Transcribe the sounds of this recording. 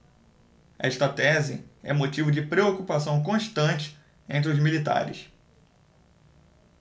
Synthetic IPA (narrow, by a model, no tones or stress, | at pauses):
ɐɛɪʃt̪ɐt̪ɛzɪ̰ɛ̰̃mot͡ʃivʊd͡ʒɪpɾeokupasɐ̃w̃k̬õʃt̪ɐ̃t͡ʃɪ̥ | ẽnt̪̬ɾɪʊzmilit̪a̰ɾɪ̰s